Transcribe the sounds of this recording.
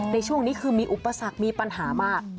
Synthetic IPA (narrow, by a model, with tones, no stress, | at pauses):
na˧jt͡ɕʰu˥˩əŋniː˦˥kʰɯː˧miː˧ʔu˨˩pːa˧sa˨˩k̚miː˧pa˧nɦaː˩˦maː˥˩k̚